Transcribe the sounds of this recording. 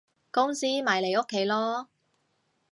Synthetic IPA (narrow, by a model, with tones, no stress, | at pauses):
kʊ˥ŋsiː˥maː˨˩jle˨˩jo˥kʰːe˨˥jlɔː˥